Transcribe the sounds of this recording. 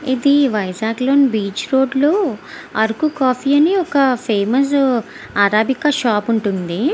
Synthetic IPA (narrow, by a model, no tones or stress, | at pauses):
id̪iʋɐjzaːɡloːnibiːt͡ʃɾo̞ːɖlo̞ː | ɐɾkukaːpʰiːɐniɔkɐpʰeːmɐs̬ | aːɾaːbʱikɐʃaːpuɳʈund̪i